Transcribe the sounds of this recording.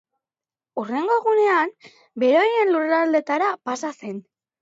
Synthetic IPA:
ure̞ŋɡo̞ɣune̞am | be̞ɾo̞je̞nlurald̪e̞t̪aɾapasase̞n

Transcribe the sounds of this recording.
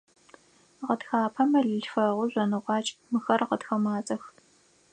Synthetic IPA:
ʁədxaːpʰɐmɐɮɨɬfɐʁʷʊʑʷɔnɨʁʷɑːt͡ʃʼmɨxɐrqədxɐmaːt͡sʼɐx

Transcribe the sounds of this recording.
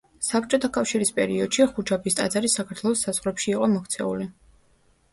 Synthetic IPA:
sapɾt͡ʃʼɔt̪ʰakʼafʃiɾispʼɛɾiɔd̪̥ʃiχud͡ʒʰabist̪ʼa̰d̪zaɾisakʰat̪ʰwɛlˠɔsːazʁɾɛpʃiːqʼɔmɔkʰt̪sʰɛ̰ṵli

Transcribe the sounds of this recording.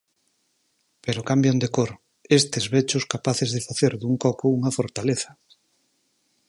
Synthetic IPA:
peɾokambjond̪ekoɾ | est̪ezβet͡ʃʊskapaθezðefaθeɾðuŋkɔkouŋafoɾt̪aleθɐ̥

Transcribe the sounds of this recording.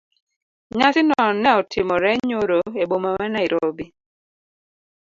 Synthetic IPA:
ɲasɪnɔnɛɔtʰɪmɔɾɛɲoɾoebomamɛnaiɾobi

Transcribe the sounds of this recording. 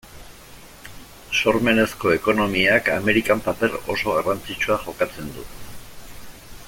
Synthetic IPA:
so̞ɾme̞ne̞sko̞e̞ko̞no̞miaka̰me̞ɾikampape̞ro̞so̞ɣarant͡sit͡ʃuaʝo̞kat͡se̞nd̪ṵ

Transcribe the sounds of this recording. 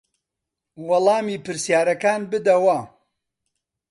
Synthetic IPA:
wɐlˠɑːmiːpɨɾsjaːɾɐkaːnbɨd̪ɐwɐ

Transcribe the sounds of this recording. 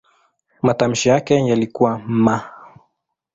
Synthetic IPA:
matam̩ʃijakɛjalikuwam̩ma

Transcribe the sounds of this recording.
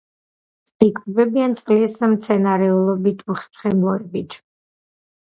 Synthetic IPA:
ikʼbɛbiant̪sʼqʼlismt̪sʰɛnaɾɛulˠɔbit̪ʰuχpχɛmɔɾɛbit̪ʰ

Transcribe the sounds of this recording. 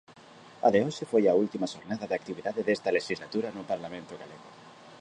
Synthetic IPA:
a̰ðeoʃefojɐult̪imaʃoɾnaðɐðak̚t̪iβiðaðeðest̪ɐleʃizlat̪uɾɐnʊpaɾlamẽnt̪ʊɣaleɣo̰

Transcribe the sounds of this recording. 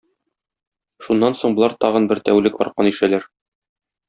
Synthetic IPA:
ʃunːɑnsoɴbŏlˠɑɾt̪ɒʁɤ̆nbɘɾt̪æwlɘkɒ̰ɾqɑniʃælæɾ

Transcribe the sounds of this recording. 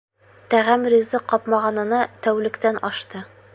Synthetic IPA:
t̪æʁæmɾʲizɤqːɒpmɑʁɑnɤ̆nɑt̪æwlɘ̆kt̪ænʔɒʃt̪ɤ

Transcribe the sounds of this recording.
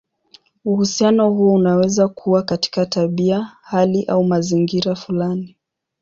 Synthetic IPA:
uhusianɔhuɔunawɛzakʰuwakati̥kataɓiahaliʔaumaziŋɡiɾafulani

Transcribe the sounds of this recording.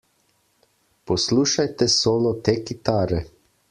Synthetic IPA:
pɔsluːʃajt̪ɛsoːlɔt̪eːkit̪aːɾɛ

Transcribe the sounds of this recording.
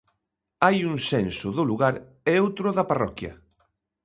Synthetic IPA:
ajuŋsensʊðʊluɣaɾ | ɛowt̪ɾʊðɐparɔkjɐ̰

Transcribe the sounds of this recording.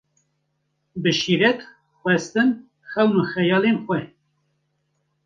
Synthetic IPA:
bɨʃiɾɛt̪ | xwɛst̪ɨn | xɛwnuxɛjɑːlenxʷwɛ

